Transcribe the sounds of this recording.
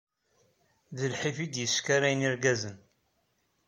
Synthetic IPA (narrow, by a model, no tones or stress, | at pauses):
ðəlħifid̪jəskaɾæjniɾɡæzən